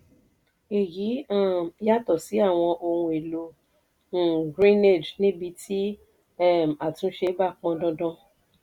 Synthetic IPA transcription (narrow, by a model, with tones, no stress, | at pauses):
e˨ji˨˦ã˦˨i˧˦ja˦tɔ˦˨si˨˦a˦˨w̃ɔ̃˧ʔo˧hũ˧e˨lõ˨˧˦ | ɡɾĩ˦ne˦˨d͡ʒnĩ˦bi˧tʰi˦ | ɛ˦m˨a˨tũ˧˦ʃe˧˦ba˦˨k͡pɔ̃˧˦dɔ̃˦dɔ̃˦